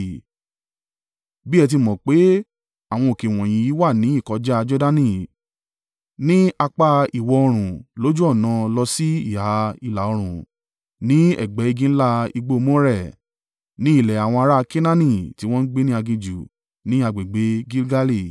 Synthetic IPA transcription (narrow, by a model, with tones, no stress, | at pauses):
bi˦ɛ˧t̬i˧mɔ̃˨k͡pe˨˦ | a˨w̃ɔ̃˧o˨ke˨w̃ɔ̃˨j̃ĩ˧ji˨˦wa˦˨nĩ˨˦i˦˨kɔ˧˦d͡ʒa˦a˧d͡ʒɔ˦da˦nĩ˦˨ | nĩ˦a˧k͡pa˧i˨wɔ˧ɔ˧ɾ̃ũ˨lo˦d͡ʒu˦ɔ˦˨nã˧lɔ˧si˦i˦˨ha˨˦i˨la˨ɔ˧ɾ̃ũ˨ | nĩ˨˦ɛ̰˦˨ɡ͡bɛ˨˦i˧ɡĩ˦n̩˦la˦i˧ɡ͡bo˦˧mɔ̃˦ɾɛ˦˨ | nĩ˨˦i˦˨lɛ˨a˨w̃ɔ̃˧a˧ɾa˦˧ki˦nã˦nĩ˦˨ti˨˦w̃ɔ̃˦n̩˦ɡ͡be˦nĩ˦a˧ɡĩ˧d͡ʒu˨ | nĩ˦a˧ɡ͡be˨ɡ͡be˨˦ɡi˦lɡa˦li˦˨